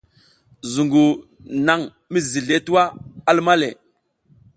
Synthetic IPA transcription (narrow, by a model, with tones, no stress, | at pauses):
zu˨ŋɡu˨ | na˨ŋ | mi˦zi˨ɮe˦tu˦wa˦a˦lma˦lḛ˨